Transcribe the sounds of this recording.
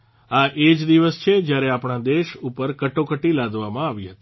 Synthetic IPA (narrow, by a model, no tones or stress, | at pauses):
aʔed͡ʒd̪iʋəst͡ʃʰed͡ʒjaɾeapɳad̪eʃupəɾkəʈokəʈilad̪ʱʋamãaʋiɦət̪i̥